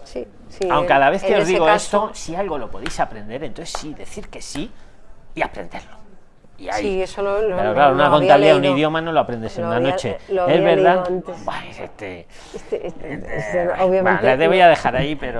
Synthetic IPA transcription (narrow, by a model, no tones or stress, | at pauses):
si | siawŋkeaðaβe̞θkeozðiɣoest̪osialɣo̞lo̞po̞ðejsapɾe̞nd̪e̞ɾent̪onθe̥siðe̞θiɾke̞si | biapɾend̪e̞ɾlo̞ | iaiesopeɾoklaɾounakont̪aβliauniððjo̞mano̞loapɾend̪esenunano̞t͡ʃe̞lezβeɾðaant̪ebwaɾḛst̪e | est̪e | oβjam̃nlaðeβojaðe̞xaɾaipeɾo